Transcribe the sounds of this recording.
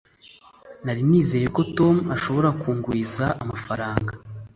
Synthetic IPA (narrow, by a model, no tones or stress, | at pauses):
naɾiniːze̞ːje̞ko̞to̞muaʃo̞βo̞ɾakuːŋɡwiːzaamafaɾaːŋɡa